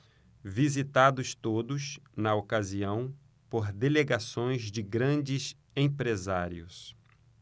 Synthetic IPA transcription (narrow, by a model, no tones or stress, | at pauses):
vizit̪ad̪ʊst̪od̪ʊsnɐokaziɐ̃w̃ | poɾd̪eleɡasõj̃zd͡ʒɪɡɾɐ̃d͡ʒɪs | ẽpɾezaɾḭʊs